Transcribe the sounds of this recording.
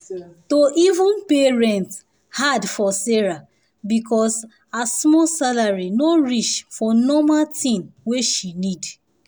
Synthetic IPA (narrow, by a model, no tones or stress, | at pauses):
toʔivũnpeɹɛ̃nt | hadfɔsɛɹa | bikʰɔs | asmɔsalaɹinoɹiʃfɔnɔmatĩnweʃinid